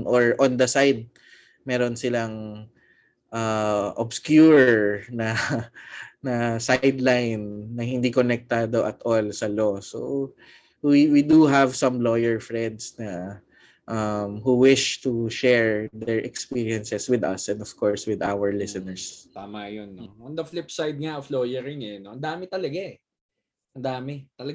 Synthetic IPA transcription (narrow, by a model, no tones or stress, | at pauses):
ŋʔoɹʔɔ̃nd̪ɐsajd̪̚ | mɛɾonsɪlaŋ | ʔaʔobskjuɹnɐ | nɐsajd̪lajnːɐhɪ̃nd̪ikɔnɛk̚t̪ad̪oʔɐt̪ʔolsɐloso̰ | wiwid̪uɦɐvsɐ̃mlojɛɹfɹɛ̃nd̪snɐ | ʔɐmhuwɪʃt̪uʃɛɹd̪ɛɹʔɛkspiɹiɛnsɛswɪd̪ɐ̰sɛ̃nd̪ɔv̥koɹswɪd̪awəɹlɪsɛnɛɹst̪aːmajonːond̪ɐflɪp̚sajd̪̚ŋaʔofloːjɛɾɪŋɛnoʔɐnd̪aːmɛt̪ɐlɐɡa | ʔɐnd̪aːmɛt̪ɐlɐɡ